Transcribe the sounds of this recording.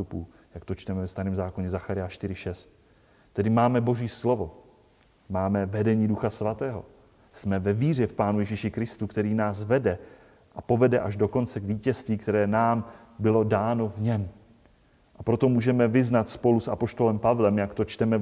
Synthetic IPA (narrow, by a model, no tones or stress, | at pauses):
t̪upuː | jakt̪o̞t͡ʃt̪ɛmɛvɛst̪aɾiːmzaːko̞ɲɛzaxaɾɪjaʃt̪ɪɾɪʃɛst̪ | t̪ːɛdɪmaːmɛbo̞ʒiːslo̞vo̞ | maːmɛvɛdɛɲiːduxasvat̪ɛːɦo̞̰ | smɛvɛviːr̝ɛfpaːnujɛʒiːʃɪkɾɪst̪ukt̪ɛɾiːnaːsvɛdɛ | ʔapo̞vɛdɛʔaʒdo̞ko̞nt͡sɛɡviːcɛst̪viːkt̪ɛɾɛːnaːm | bɪlo̞daːno̞vɲɛm | ʔapɾo̞t̪o̞muːʒɛmɛvɪznat̪spo̞lusʔapo̞ʃt̪o̞lɛmpavlɛmjakt̪o̞t͡ʃt̪ɛmɛ